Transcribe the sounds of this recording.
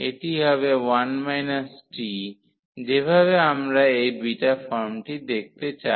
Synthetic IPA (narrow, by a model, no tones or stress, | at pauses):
eʈiɦɔβewanmajnasʈi | d͡ʑebʱaβeamɾaejbiʈafɔɾmʈid̪ek̚t̪et͡ɕa